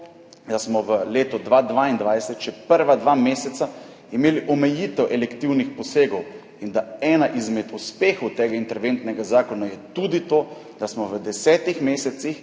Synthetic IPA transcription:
d̪asmɔʋəleːt̪ɔd̪ʋaːd̪ʋaːind̪ʋajsɛt̪ʃɛpəɾʋad̪ʋaːmeːsɛt̪sa | imeːliʔɔmɛjiːt̪ɛwʔɛlɛkt̪iwnixpɔseːɡɔw | ind̪aɛːnaʔizmɛd̪uspeːxɔwt̪eːɡaint̪ɛɾʋent̪nɛɡazaːkɔnajɛt̪ud̪it̪oː | d̪asmɔʋəd̪ɛsɛːt̪ixmeːsɛt̪six

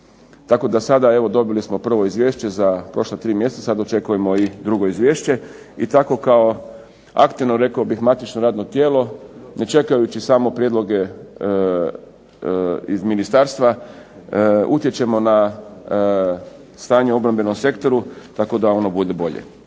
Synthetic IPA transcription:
t̪ako̞d̪asad̪ae̞ʋo̞d̪o̞bilismo̞pr̩ʋo̞izʋje̞ːʃt͡ɕezapɾo̞ʃlat̪ɾiːmjest̪sasad̪ot͡ʃe̞kuje̞mo̞id̪ɾuɡo̞izʋjeːʃt͡ɕe̞ | it̪ako̞kao̞ | a̰kt̪iʋno̞ɾe̞kaobixmat̪it͡ʃnoɾaːd̪no̞t̪je̞ːlo̞ne̞t͡ʃe̞kajut͡ɕisaːmo̞pɾjed̪lo̞ɡe̞ | izminist̪aːɾst̪ʋa | ut̪je̞t͡ʃe̞mo̞na | st̪aːɲeo̞bɾambe̞nomse̞kt̪o̞ɾut̪ako̞d̪ao̞no̞bud̪e̞bo̞ʎḛ

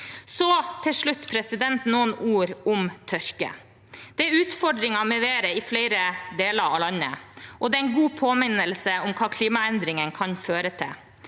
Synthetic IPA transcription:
sɔt̪ʰɪlʂɭʉt̪ːpʰɾɛsɪd̪ɛnt̪noːənuːɾʊmt̪ʰœɾkə̰ | d̪̥ɛæɾʉːt̪fɔɖɾɪŋɑmɛʋeːɾəɪfleɪɾəd̪eːləɾɑ̰lɑnːə̰ʔɔd̪ɛːæɪnɡuːpʰoːmɪnəlsəʊmkʰɑːkʰliːmɑɛnd̪ɾɪŋənkʰɑnføːɾət̪ʰɪ̰

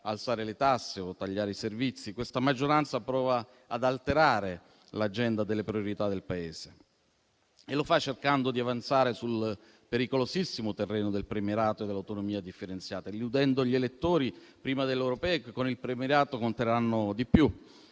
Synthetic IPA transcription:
alt̪saːɾelet̪asːeot̪ːaʎːaːɾeiservit̪sːikwest̪amad͡ʒːoɾant̪sapɾɔːvaː | d̪alt̪eɾaːɾe | lad͡ʒɛnd̪ad̪elːepɾioɾit̪ad̪elpaeːse | elofat͡ʃːerkand̪od̪iavant̪saːɾesul | peɾikolosisːimot̪erːɛːnod̪elpɾemeɾaːt̪oed̪ːelːawt̪onomiːad̪ifːeɾent̪sjaːt̪aliud̪ɛnd̪oʎelet̪ːoːɾi | pɾiːmad̪elːewɾopɛːekekːonilpɾemeɾaːt̪okont̪eɾanːod̪ipju

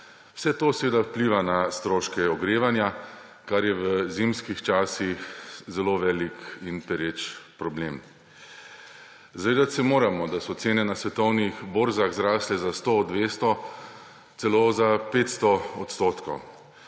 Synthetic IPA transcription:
w̥sɛt̪oːsɛʋeːd̪awpliːʋanast̪ɾoːʃkɛɔɡɾeːʋanja | kaɾjɛʋəzimskixt͡ʃaːsixzɛloʋɛlikinpɛɾet͡ʃpɾɔbleːm | zaʋeːd̪at̪sɛmoːɾamɔd̪asɔt̪seːnɛnasʋɛt̪ɔwnixboːɾzaɣzɾaːslɛzast̪od̪ʋeːst̪ɔ | t̪sɛlozapeːt̪st̪ɔɔt̪st̪oːt̪kɔ̰w

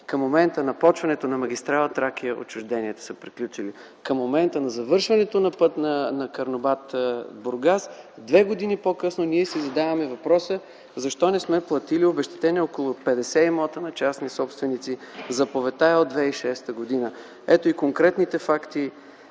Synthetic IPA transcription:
kəmːomɛnt̪ənɐpɔt͡ʃvɐnɛt̪onɐmɐɡ̟ʲist̪ɾalˠɐt̪ɾak̟iəʔo̰t͡ʃʊʒd̪ɛniɛt̪ə̥səpɾiklʲut͡ʃili | kəmːomɛnt̪ənɐzɐvɤɾʃvɐnɛt̪onɐpɤt̪nɐnɐkɐɾnobat̪boɾɡasd̪vɛɡod̪inipokɤsnoniɛsizɐd̪avɐmɛvɐpɾɔsə | zɐʃt̪ɔnɛsmɛplˠɐt̪iliobɛʃt̪ɛ̥t̪ɛnɛɔkolˠʊpɛd̪ɛsɛimɔt̪ənɐt͡ʃasnisɔpst̪vɛnit̪sizɐpovɛt̪aɛod̪vɛiʃɛst̪əɡod̪inə | ɛt̪oikoŋkɾɛt̪nit̪ɛfakt̪i

